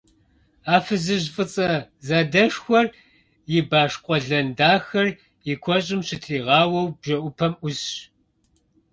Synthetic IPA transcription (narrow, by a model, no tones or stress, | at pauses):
aːfɨzɨʑfʼɨt͡sʼɐzɐdɐʂxʷɔr | jɪbaːʂqʷʼɔɮɐndaːxɐr | jɪkʷʰɔɕʼɪmɕɪtʰriːʁɑːwɐwbʒɐʔʷʊpʰɐmʔʊzɕ